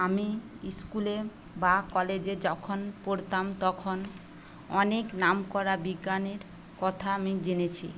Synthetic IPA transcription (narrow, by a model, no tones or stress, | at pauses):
ami | iskule | bakɔled͡ʑed͡ʑɔkʰonpoɾt̪amt̪ɔkʰon | ɔneknamkɔɾabiɡːaneɾ | kɔt̪ʰaamid͡ʑenet͡ɕʰḭ